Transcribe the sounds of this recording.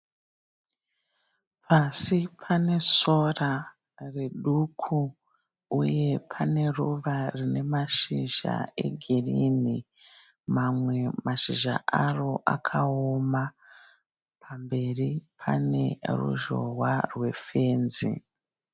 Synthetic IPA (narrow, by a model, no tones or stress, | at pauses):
pʰasipʰane̞so̞ra | re̞ɗukʰu | uje̞pʰane̞ruʋarine̞maʃiʒa̰e̞̰ɡʱirini | mamwe̞maʃiʒa̰ʔaro̞ʔakʰaoma | pʰambe̞ripʰa̰ne̞rṵʒowarwe̞fe̞ːnzḭ